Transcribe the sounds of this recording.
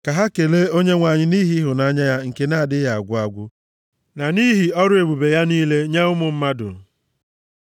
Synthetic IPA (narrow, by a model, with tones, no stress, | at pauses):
ka˨ɦa˦ke˨le˦o˦ɲe˦ŋʷa˨ɲɪ˦ni˦ɦi˦ɦʊ˨na˨a˦ɲa˦ja˦ŋ̩˨ke˦na˦˨dɪ˦ja˨a̰˨ɡʷʊ˦a˦ɡʷʊ˦ | na˨ni˦ɦi˨ɔ˦ɾʊ˦e˨bu˨be˨ja˦niː˦le˦ɲa˦ʊ˦mʊ˨m̩˦ma˦dʊ̰˨